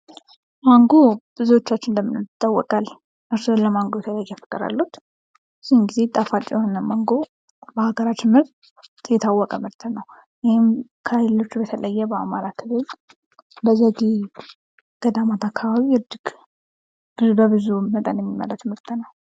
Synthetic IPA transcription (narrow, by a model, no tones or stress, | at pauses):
maŋɡob̥ɨzuwo̞t͡ʃːat͡ʃːɪnd̪əmːɨnot̪ʼːawːɔ̰kʼal | ʔɨɾsoləmaŋɡojɛt̪ʰələjajːɛjfə̥kʼːɨɾa̰lːut̪ | sinɡize̞t̪ʼafat͡ʃʼjhonəmaŋɡo̞ | bəhaɡəɾat͡ʃ̪ɪmɨɾt̪ʼ | jɛt̪ʰawːɔkʼəmɨɾt̪ʰənəw | jɪhɪm | kʰəhajlo̞t͡ʃːbət̪ʰələjːɛbəa̰maɾakʰɨβɨl | bəzəɡe | ɡ̥əd̪amat̪ʰakʰːaβaβiɨd͡ʒiɡ | b̥ɨzubəβɨzumət̪ʼənjɛmːimːə̰lʼət̪ʰɨmɨɾt̪ʰnəw